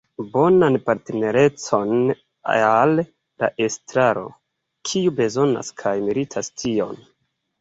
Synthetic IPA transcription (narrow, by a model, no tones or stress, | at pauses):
bo̞nanpaɾtene̞ɾe̞t͡so̞n | al | da̰ʔestɾaɾo̞̰ | kʰiube̞zo̞na̰skʰajmilitʰastʰio̞n